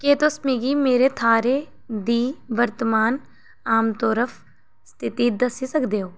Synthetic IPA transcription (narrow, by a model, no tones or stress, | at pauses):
keːt̪ʊsmiɡiːmeːɾeːt̪ʰaːɾeː | d̪iːʋəɾt̪əmaːn | aːmt̪ɔːɾəpʰ | st̪ʰɪt̪iːd̪əsisəkd̪eːoː